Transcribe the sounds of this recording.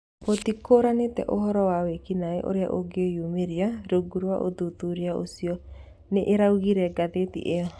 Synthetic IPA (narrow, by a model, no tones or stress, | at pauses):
potikoɾanetɛ̰ʔoɦɔɾɔwawekinaeʔo̰ɾea̰ʔoɡeojumeɾiaɾoɡuɾwaʔo̰d̪ut̪uɾeao̰siɔ | neʔeɾauɣiɾɛɡaðetḭʔeɔ